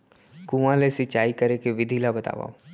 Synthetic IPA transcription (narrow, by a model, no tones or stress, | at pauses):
kũãlesɪt͡ʃaːikəɾekeʋɪd̪ʱilabət̪a̰ːʋa̰